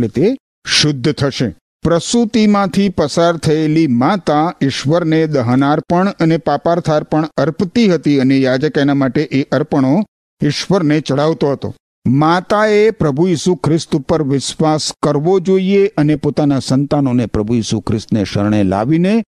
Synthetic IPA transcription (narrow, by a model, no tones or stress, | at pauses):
let̪e | ʃʊd̪ʱːt̪ʰəʃe | pɾəsut̪imãt̪ʰipəsaɾt̪ʰəelimat̪aɪʃʋəɾned̪əɦənaɾpəɳənepapaɾt̪ʰaɾpəɳəɾpt̪iɦət̪iənejad͡ʒəkanamaʈeʔeʔəɾpəɳ̃o | ɪʃʋəɾnet͡ʃəɽ̤aʋt̪oɦət̪o̰ | mat̪aepɾəbʱujisukʰɾɪst̪upəɾʋɪsʋaskəɾʋod͡ʒoieʔənepot̪anasənt̪anonepɾəbʱujisukʰɾɪst̪neʃə̰ɾɳ̃ela̰ʋine